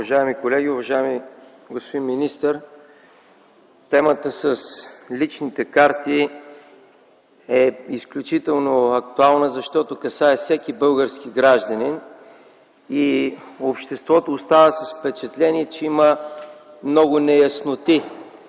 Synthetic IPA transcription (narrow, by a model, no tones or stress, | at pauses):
ʊvɐʒaɛmikolɛɡʲiʊvɐʒaɛmi | ɡospod̪inminist̪əɾ | t̪ɛmət̪əsəslit͡ʃnit̪ɛkaɾt̪i | ɛisklʲut͡ʃit̪ɛlˠnoɐk̚t̪ualˠnəzɐʃt̪ɔt̪ʊkɐsaɛfsɛkibɤlˠɡəɾskiɡɾaʒd̪ənin | iopʃt̪ɛst̪vɔt̪oːst̪anəsɐsfpɛt͡ʃɛt̪lɛniɛt͡ʃɛimə | mnɔɡʊnɛjɐsnot̪i